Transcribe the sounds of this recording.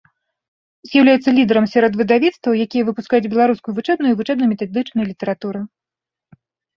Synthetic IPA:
zʲjawlʲajɛt̪sɐlʲid̪ɛɾɐmsʲaɾɔd̪vɨd̪avʲit̪st̪vɐwjakʲijɐvɨpuskajud͡zʲbʲɛlˠaɾuskujuvɨt͡ʂɛb̪nujuivɨt͡ʂɛb̪njmʲɛt̪ad̪ɨt͡ʂnɐjlʲit̪ɛɾat̪uɾɨ

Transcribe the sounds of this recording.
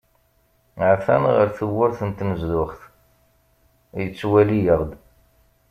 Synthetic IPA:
ʕθænʁəɾθəwːʊɾθənt̪nəzðʊχθ | jət͡sːwælijəʁd̪

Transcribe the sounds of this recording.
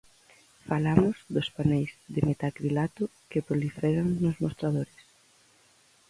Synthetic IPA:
falamʊzðospanɛjzðɪmet̪akɾilat̪ʊkepɾolifɛɾaŋnʊzmost̪ɾaðoɾɪs

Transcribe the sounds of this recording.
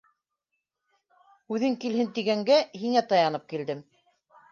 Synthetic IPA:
ʉðɘŋkilɦɘnt̪iɡæŋɡæɦiŋæt̪ɑjɑnɤp̚kild̪ɘm

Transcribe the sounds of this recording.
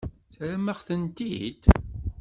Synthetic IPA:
θɾaməʁθənt̪ḭd̪

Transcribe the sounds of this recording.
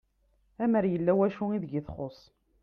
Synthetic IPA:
æməɾjəlːæwæʃuiðʝiθχosˤ

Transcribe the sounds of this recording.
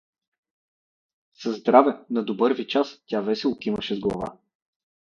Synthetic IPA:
sɐzd̪ɾavɛnɐd̪obɤɾvit͡ʃastʲavɛsɛlˠkiməʃɛzɡlˠɐ̰va̰

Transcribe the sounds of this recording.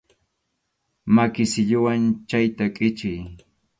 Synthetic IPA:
makɪsɪʎʊwant͡ʃajt̪akʼɪt͡ʃɪj

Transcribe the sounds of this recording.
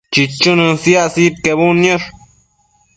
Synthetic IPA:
t͡ʃit͡ʃunɨnsjasit̪̚kebunjoɾ

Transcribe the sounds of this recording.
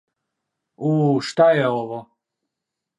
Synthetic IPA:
uːʃt̪ajeoʋo

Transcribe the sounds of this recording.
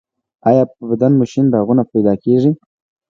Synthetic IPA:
ɑjɑpəbad̪anmʊʃɪnd̪aaɣunapajd̪ɑkeʐi

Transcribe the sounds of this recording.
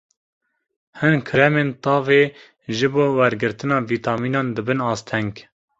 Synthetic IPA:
hɨnkʰɨɾɛmeːnt̪ɑːveː | ʒɨboːwɛɾɡɨɾt̪ɨnɑːviːt̪ʰɑːmiːnɑːnd̪ɨbɨnɑːst̪ʰɛŋɡ

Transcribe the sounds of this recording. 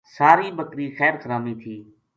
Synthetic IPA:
saːɾiːbəkɾiːxɛːɾkəɾaːmiːt̪ʰiː

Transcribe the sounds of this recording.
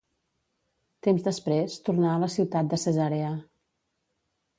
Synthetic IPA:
t̪emzðəspɾest̪urnaələsiwt̪at̪̚d̪əsəzaɾeə

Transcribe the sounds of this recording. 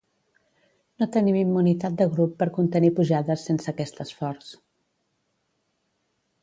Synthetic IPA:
not̪ənimimːunit̪at̪̚d̪əɣɾupːəɾkunt̪ənipuʒaðəsːensəkɛst̪əsfɔɾs

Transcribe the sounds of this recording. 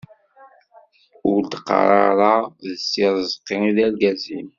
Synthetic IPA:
ʊɾd̪qːɑ̰ɾˤɑɾˤɑðəsːiɾˤzˤqːiniðæɾɡæzḭn

